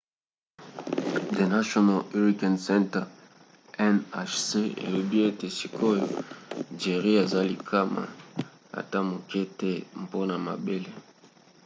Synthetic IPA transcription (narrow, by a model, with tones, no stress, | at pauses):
de˨na˦ʃo˦na˨le˦ʁi˦ka˨nsɛ˦ntɛ˨ | ɛ˦na˦ʃse˦ḛ˨lo˨bi˦e˦te˨si˨kʰo˦jo˨d͡ʒe˨ʁi˦e˨za˦li˨kʰa˦ma̰˨ | a̰˨ta˦mo˨ke˦te˦m˨po˦na˨ma̰˨be˦le˦